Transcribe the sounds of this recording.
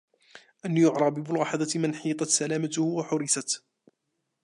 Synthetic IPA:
ʔanːijʊʕɾˤɑbɪbʊlɣɑħɑd̪ˤɑt̪manħiːt̪ˤɑt̪salaːmat̪ʊhʊwaħʊɾɪsat̪

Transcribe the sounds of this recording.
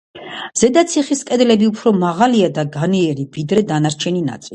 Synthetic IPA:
z̥ɛd̪at̪sʰiχiskʼɛd̪lɛbiupʰɾɔmaʁaliad̪aɡaniɛɾivid̪ɾɛd̪anaɾt͡ʃʰɛnina̰t̪sʼili

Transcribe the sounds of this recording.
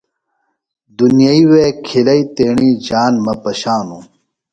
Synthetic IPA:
d̪unijɐiweːkʰilɐit̪eːɳiːd͡ʑaːnmɐpɐɕaːnu

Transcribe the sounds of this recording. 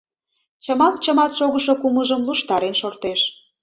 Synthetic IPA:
t͡ɕəmɑlt̪t͡ɕəmɑt̪ʃoɣəʃokuməʒəmluʃt̪ɑɾenʃort̪eʃ

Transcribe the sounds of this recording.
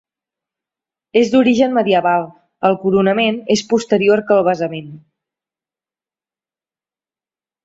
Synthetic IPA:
ezd̪uɾiʒənməðiəβalˠ | əlˠkuɾunəmenespust̪əɾioɾkəlˠβ̞əzəmen

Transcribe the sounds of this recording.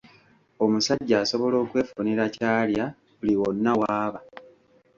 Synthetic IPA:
o̞musaɟːaːso̞βo̞lo̞ːkwe̞ːfuniɾacaːlja | uliwonːawaːβa

